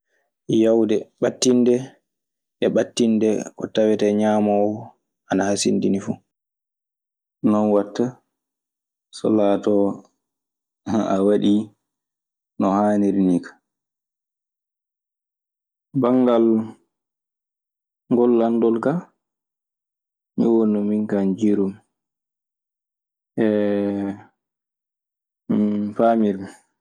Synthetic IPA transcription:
jawdɛɓatːindɛ | ʔɛɓatːindɛkɔ̰tawɛtɛɲaːmawɔ | anahasindinifu | nɔnwatːa | sɔ̰latɔ | awaɗi | nɔhaːniɾinikḁ | baŋɡal | ŋɡɔlːandɔlka | miwonɔmiŋkand͡ʒiɾum | ʔɛ | famiɾ

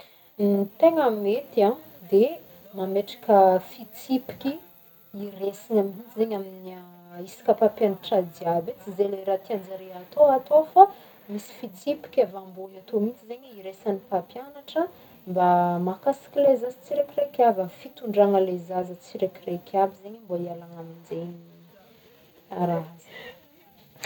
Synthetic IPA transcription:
it̪eŋamimet̪ia | d̪e | mameʈ͡ʂḁkəfit͡sipi̥kʲi | iresinamint͡sizeɲaminia | isi̥kʲəpapjanaʈ͡ʂad̪iabet͡sizeleɾat̪iand͡ʒaɾeat̪oat̪ofa | misi̥fit͡sipi̥kʲavambunat̪omint͡sizeɲiɾesanipapjanaʈ͡ʂə | mbamakasḁkʲilezazit͡siɾakirekʲavəfit̪uɳɖ͡ʐaŋəlezazət͡siɾekirekʰʲabizeɲamboialaŋamind͡zenii | aɾanzi̥

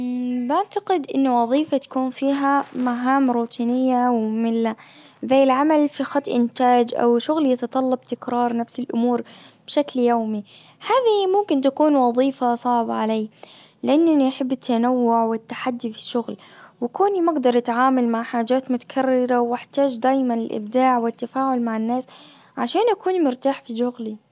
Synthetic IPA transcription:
baʕt̪aqɪd̪ʔɪnːʊwɑðˤiːfat̪ḁkuːnfiːɦamaɦaːmɾuːt̪ʰiːnɪjːawmɪlazaːɪlʕamalfixɑt̪ˤʔɪnt̪aːd͡ʒʔa̰wʃʊɣljɪt̪ɑt̪ˤɑlːɑb̚t̪ɪkɾɑːɾˤnafsɪlʔʊmuːɾb̥ʃakljoːmihaːðimʊmkɪnt̪akuːnwɑðˤiːfasˤɑʕbaʕalaːlɪʔanːaniʔaħɪbːɪt̪ːanawːʊʕwɪt̪ːaħad̪ːifiʃːʊɣlwakuːnimaɡd̪ɑɾˤʔat̪ʕaːmalmaʕħaːd͡ʒaːt̪mʊt̪ḁkʰarːɪɾawʔɪħt̪aːd͡ʒd̪aːjmanɪlʔɪ̰b̚d̪aːʕwɪt̪ːafaːʕʊlmaʕɪnːaːsʕaʃaːnʔakuːnimʊɾt̪aːħfiʃʊɣli

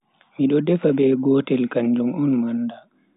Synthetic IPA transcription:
miɗɔdɛfabɛːɡɔːtɛlkaɲd͡ʒumɔnmanda

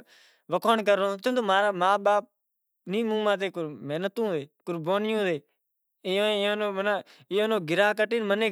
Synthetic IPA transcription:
ʋəkʰoːɳkəɾõːt̪oːt̪oːmaːɾaːmaːɓaːp̚ | nĩːmũːmãːt̪̬eːkʊmeːnət̪ũːʋeːkʊɾbaːnɪjõːʋeː | õːõːnoːməna | ɪjõːnõːɡɪɾaːk̬əʈiːnmənẽː

